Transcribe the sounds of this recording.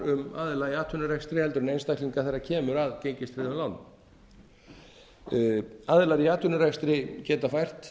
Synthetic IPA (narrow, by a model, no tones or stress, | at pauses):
ʏmaːðɪlaɾjaːt̪ʰʏnʏɾajst̪ɾɪhɛlt̪ʏɾʏnejnst̪ajkʰliŋkaθɛjrːacʰɛːmʏɾaðcejɲcɪst̪fɾɪðʏmlawnːm | aːðɪlaɾjaːt̪ʰʏnʏɾajst̪ɾɪcɛːt̪afajr̥t̪